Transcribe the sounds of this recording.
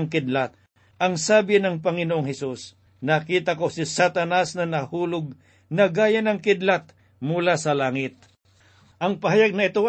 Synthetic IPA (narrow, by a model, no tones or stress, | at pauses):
ŋkɪd̪lat̪̚ | ʔɐŋsaːbɪnɐŋpɐŋɪnoʔoŋhɛsus | nɐkiːt̪ɐko̞sɪsat̪ɐnasnɐnɐhuːlʊɡ̚ | nɐɡaːjɐnɐŋkɪd̪lat̪̚ | mulasɐlaːŋɪt̪̚ | ʔɐŋpɐɦɐjaɡ̚nɐʔɪt̪o